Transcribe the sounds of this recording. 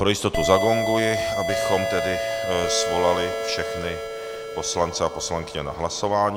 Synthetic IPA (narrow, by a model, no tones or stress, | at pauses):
pɾojɪst̪o̞t̪uzaɡoŋɡujɛʔabɪxo̞mt̪ɛdɪsvo̞lalɪfʃɛxnɪ | po̞slant͡sɛapo̞slaŋkɪɲɛna̰ɦlaso̞vaːɲ